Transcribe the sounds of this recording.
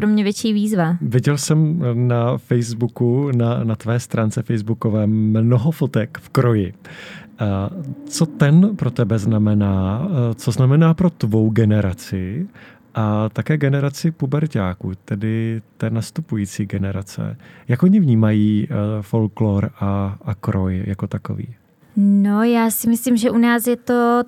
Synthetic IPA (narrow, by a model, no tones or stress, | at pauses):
pɾomɲɛvjɛt͡ʃiːviːzvavɪɟɛlsɛmnafɛjzbukunanat̪vɛːst̪ɾʔaːnt͡sɛfɛjzbuko̞vɛːmnoɦofot̪ɛkfkɾo̞jɪ | t͡so̞t̪ɛnpɾo̞t̪ɛbɛznamɛnaːt͡soznamɛnaːpɾo̞t̪vo̞wɡɛnɛɾat͡sɪ | ʔat̪akɛːɡɛnɛɾat͡sɪpubɛɾcaːkuːt̪ɛdɪt̪ɛːnast̪upujiːt͡siːɡɛnɛɾat͡sɛ̰jakʔoɲɪvɲiːmajiːfo̞lklo̞ɾaakɾojjako̞t̪ako̰vḭː | nojaːsɪmɪslimʒɛʔunaːsjɛt̪o